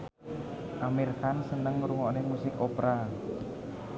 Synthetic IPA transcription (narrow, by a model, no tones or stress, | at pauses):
ʔamirkansənəŋɾuŋɔnɛhmusɪkɔpɾa